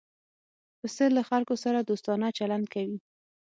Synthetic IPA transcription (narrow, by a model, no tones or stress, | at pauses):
p̪əsəlːaxalkosaɾad̪ost̪ɑnat͡ʃaland̪̚kawi